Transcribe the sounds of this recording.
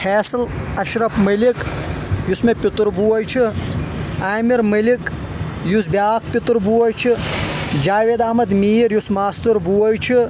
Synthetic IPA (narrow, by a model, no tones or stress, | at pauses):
fʰeːslɐʃɾɐfmɐlikjusmepʲit̪ɾbuːɐjt͡ʃʰi | aːmiɾmɐlik | jusbʲaːk̚pit̪ɾbuɐjt͡ʃʰid͡ʒaːʋeːd̪ɐhmɐd̪miːɾjusmaːst̪ɨɾbuɐjt͡ʃʰi